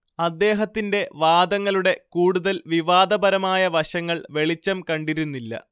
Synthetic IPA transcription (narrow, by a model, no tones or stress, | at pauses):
ɐd̪ːe̞ːɦɐt̪ːinde̞ʋaːd̪ɐŋːɐɭuɽe̞kuːɽuðɐlʋiʋaːd̪ɐbɐɾɐmaːjɐʋɐɕɐŋːɐɭʋe̞ɭit͡ɕːɐmkɐɳɖiɾunːilːɐ̰